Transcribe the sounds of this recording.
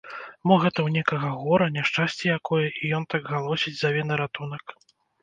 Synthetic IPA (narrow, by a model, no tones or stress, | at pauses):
mɔɣɛt̪ɐwnʲɛkɐɣɐɣɔɾɐnʲɛʂt͡ʂasʲt͡sʲɛjakɔjɛʔijɔnt̪aɡɣalˠɔsʲid͡zʲzavʲɛnɨɾat̪unɐk